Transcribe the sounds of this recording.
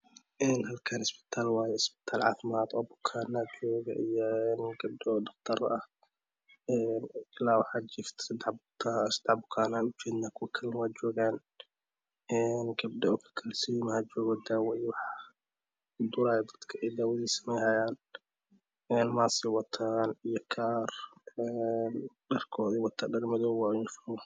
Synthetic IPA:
ʔɛːnɦɐlkʰanɪsbɪ̥t̪ʰaːlwaːjɛɪsbɪ̥t̪ʰaːlʕɑ̰ːfɪmaːd̪ɔːbʊ̥kʰaːnːad͡ʒɔːɡɐ̰ʔijɔɛnɡ̥ɐb̚dɛɔːdɐqt̪ʰɐɾʔɐh | ɛnɪlaːwɑħad͡ʒɪft̪ʰsɪd̪ɛħbʊt̪ʰasɪd̪ɛħbʊkʰaːnaːnʊt͡ʃɛːd̪naːkʰʊwɐkʰɐlnɐwaːd͡ʒɔːɡaːn | ɛnɡɐb̚dɛɔkʰɐ̥kʰɐlsijmɐhad͡ʒɔːɣɔd̪aːwɔjwɑħ | d̪ʊɾaːjɛd̪ɐd̪̥kʰɐʔɛjd̪aːwɛðiːsɐ̥mɛjhajaːn | ɛːnmaːsɪwɐt̪ʰaːnijɔkʰaːrɛnɖɐrkʰɔːðiwɑt̪ʰadɐɡmɪðɔwaːɪfɐwɔ

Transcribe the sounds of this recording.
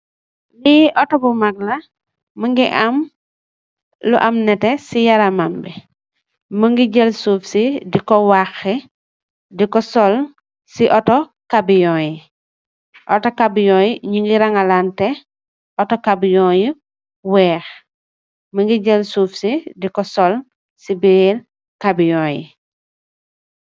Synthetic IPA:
liʔɔtɔbumaɡ̚lɐ | məŋɡiʔɐm | lṵʔɐmnɛtɛsijɐɾamambɛ | məŋɡiɟəlsuːfsidikɔwaxɛ | dikɔsɔl | siʔɔtɔ | kabijɔ̃ːji | ʔɔtɔkabijɔːjiɲuŋɡiɾaŋalaːntɛ | ʔɔtɔkabijɔji | wɛːx | məŋɡiɟəlsufsidikɔsɔl | sibiel | kabijɔːjḭ

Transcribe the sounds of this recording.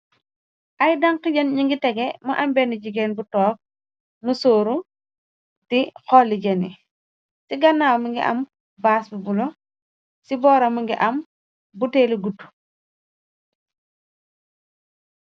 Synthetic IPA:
ʔajdɐŋqiɟɐnɲiŋɡitɛɡemuʔambɛniɟiɡɛːnbutɔːk̚ | musoːɾu | tixɔlːiɟenḭ | siɡɐnːaːwmuŋɡiʔɐ̰m | baːsbubulɔ | sibɔːɾɐmuŋɡḭʔɐm | buteːliɡutːu̥

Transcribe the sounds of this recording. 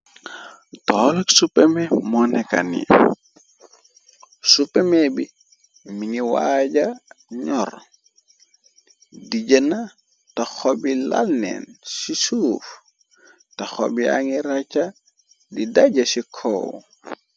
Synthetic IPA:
tɔlɐksupɛmɛmɔnɛka̰nḭ | supɛmebi | miniwaːɟɐɲɔɾ | diɟəna | tɐxɔbila̰lnɛ̰nsisuːf | tɐxɔ̰bia̰ŋiɾat͡ʃɐ | didaɟɐsikʰɔ̰w

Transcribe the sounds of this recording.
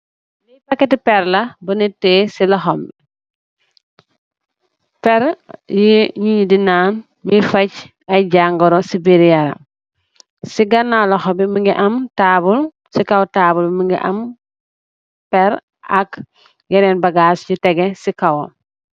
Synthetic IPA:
lipɐkːɛtipɛɾlɐbɐnitːesilɐxɔmbi | pɛɾjiɲiɲdinaːn | mifɐc | ɐjɟaŋɡɔɾɔsibiɾijɐɾɐ̰ | siɡɐnːawlɐxɔmbimiŋɡiʔɐmtabul | sikɐwtaːbulmiŋɡḭʔɐ̰m | pɛɾ | ɐk | jɛɾɛnbɐɡasɟutɛɡɛsikɐwo

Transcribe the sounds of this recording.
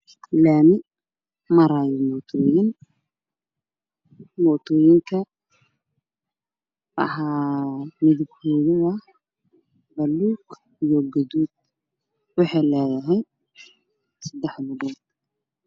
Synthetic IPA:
laːnɪ | mɐɾaːjɛmɔt̪ʰɔːjɪn | mɔt̪ʰɔːjɪŋkʰɐ | wɑ̰ħaːmɪðɪbkʰɔðɐðɐ | bɐlːuːɡ | ijɔɡɐðuːd̪̚ | wɑħɑjlɛːjɐɦɛj | sɐd̪ɛħlʊβɔːd̪̚

